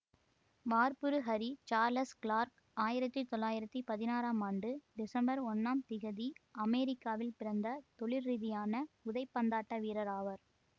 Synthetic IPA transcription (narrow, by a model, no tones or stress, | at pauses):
ʋaːɾpɯɾɯɦɐɾit͡ʃaːɾlɐskɭaːɾk | aːjɪɾɐt̪ːɯt̪ɔɭːaːjɪɾɐt̪ːipɐðɪnaːɾaːmaːɳɖɯɖɪsɐmbɐɾɔnːaːmt̪ɪɣɐðiʔɐmɛːɾɪkːaːʋɪlpɪɾɐnd̪ɐt̪ɔɭɪɾːiðɪjaːnɐʊðɐɪpːɐnd̪aːʈːɐʋiːɾɐɾaːʋɐɾ